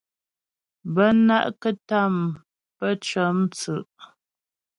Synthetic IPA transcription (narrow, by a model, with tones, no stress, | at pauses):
bə˦na̰˦ʔkə˦ta˦˨m | pə˦t͡ʃə˨˦mt͡sʉ˨ʔ